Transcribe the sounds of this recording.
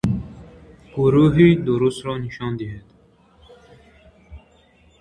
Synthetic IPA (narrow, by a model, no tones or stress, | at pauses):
ɡ̥uɾuːɦid̪uɾust̪ɾɔːniʃɑːnd̪iɦed̪